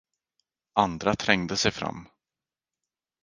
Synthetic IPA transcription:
and̪ɾat̪ʰɾɛŋd̪əsɛjfɾa̰mː

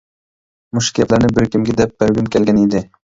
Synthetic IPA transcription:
mʊʃkʲaplaɾnɪbɪɾkʲʰɪmɡʲɪd̪ɛp̚beɾɡʲɪnkʲelɡʲanid̪ɪ

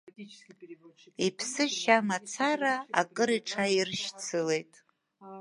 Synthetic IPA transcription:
ipʰsɨʃamat͡sʰaraa̰kʼɨɾiʈ͡ʂʰairʃt͡sʰɨle̞jtʼ

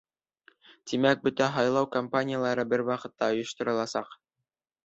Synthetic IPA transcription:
t̪imæk̚bɵt̪æɦɑjlˠɑwkɐmpanʲɪjalˠɑɾɤbɘɾwɑqɤ̆t̪ːɑŏjŏʃt̪ŏɾɤ̆lˠɑsɑq

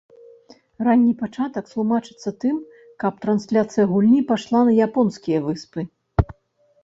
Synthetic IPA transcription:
ranʲːipat͡ʂat̪ɐkslˠumat͡ʂɨ̥t̪sːɐt̪ɨm | kɐp̚t̪ɾɐnsʲlʲat̪sɨjɐɣulʲnʲipaʂlˠanɐjapɔnskʲijɐvɨspɨ

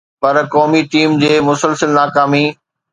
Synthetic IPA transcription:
pɐɾkɔːmiʈiːmd͡ʑeːmʊsəlsəlnaːkaːmi

